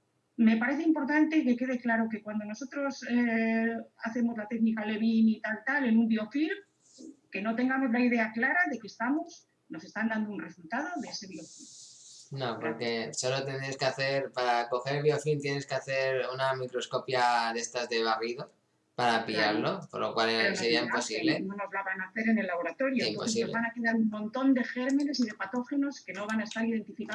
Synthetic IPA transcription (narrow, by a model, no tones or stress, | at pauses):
me̞paɾeθeimpo̞ɾt̪ant̪e̞ke̞ke̞ð̞e̞klaɾo̞ke̞kwand̪o̞no̞so̞t̪ɾo̞se | aθe̞mo̞zlat̪e̞ɣnikale̞βinit̪alt̪ale̞nũmbio̞fil | ke̞no̞t̪e̞ŋɡamo̞zlaið̞e̞aklaɾaðe̞kest̪amo̞s | no̞se̞st̪and̪and̪ounre̞sult̪að̞o̞ðeese̞βio̞filnopoɾke̞so̞lo̞t̪end̪ɾeskeaθe̞ɾpaɾako̞xeɾβjofint̪jeneskeaθe̞ɾunamikɾo̞sko̞pjaðe̞st̪azðe̞β̞ariðo | paɾapiʎaɾlo̞poɾlo̰kwalseɾiaimposiβlenonozlaβanaːθe̞ɾe̞ne̞lːaβ̞o̞ɾat̪o̞ɾjoimpoesiolzβanakeðaɾuummõ̞nt̪o̞nd̪e̞xe̞ɾmene̞s̬ið̞epat̪o̞xeno̞ske̞no̞β̞anae̞st̪aɾiðe̞nt̪ifika